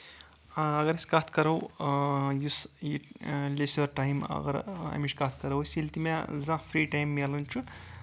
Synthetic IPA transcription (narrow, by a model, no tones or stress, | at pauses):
aɐɡɐɾɐsʲkat̪ʰkɐɾɐw | jusjilesoɾʈajmɐ̰ɡɐɾa̰miʃkat̪ʰkɐɾɐwsʲilt̪imazãfʰɾiːʈajmːalunʲt͡ʃʰun